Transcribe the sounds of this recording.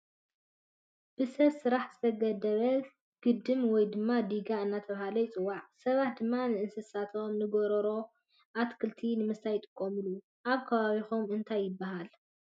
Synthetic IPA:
b̥ɨsɐβsɨɾaħz̥ɨt̪ʰɐɡɐd̪ɐβɐ | ɡ̥ɨd̪ɨmwɔjd̪ɨmːad̪iɡaɨnːat̪ʰɐβahalɐjt͡sʼɨwːaʕsɐβat̪̚d̪ɨmːanɨʔɨnsɨsat̪ʰo̞mnɨɡoɾɔɾo̞ | ʔat̪kʰɨlt̪ʰinɨmɨst̪ʰajt̪ʼɨ̥kʼːomɨlu | ʔaβkʰɐβaβixomɨnt̪ʰajːɪbaɦal

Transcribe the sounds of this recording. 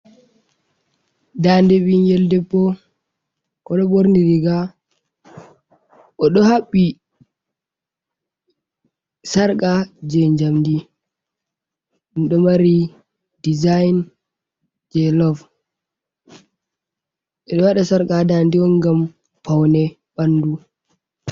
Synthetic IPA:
dandɛbinjɛldɛpːɔ | ʔɔɗɔboɾniɾiɡa | ʔɔɗɔhaɓːi | saɾkʼad͡ʒɛɲd͡ʒamdi | niɗɔmaɾi | dizajn | d͡ʒɛlɔv | ɛɗɔwaɗasaɾkadandiɔnɡam | pawnɛ | banːdu

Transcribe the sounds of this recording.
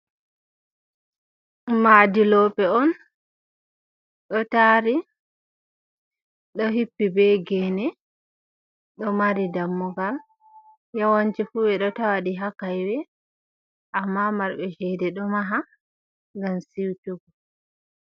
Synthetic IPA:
madilɔpɛɔn | ɗɔtaːɾi | ɗɔɦipːibɛɡɛnɛ | ɗɔmaɾidamːuɡal | jawant͡ʃɛfubɛɗɔtawaɗiɦakajwɛ | ʔamːamaɾbɛʃɛdɛɗɔmaɦa | ŋɡamsiwtuɡɔ

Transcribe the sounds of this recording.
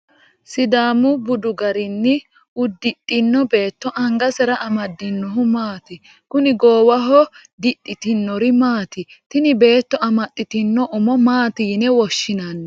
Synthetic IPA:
sɪd̪aːmʊbʊd̪ʊɡɐɾɪnːɪ | ʊd̪ːɪtʼːɪnːɔbe̞ːt̪ːɔʔɐŋɡɐsɛɾɐʔɐmɐd̪ːɪnːɔɦʊmaːt̪ɪ | kʊnɪɡoːwɐɦɔ | d̪ɪtʼːɪt̪ɪnːɔɾɪmaːt̪ɪt̪ɪnɪbe̞ːt̪ːɔɐmɐt̪ʼːɪt̪ɪnːɔʔʊmɔmaːt̪iːnɛwɔʃːɪnɐnːɛ

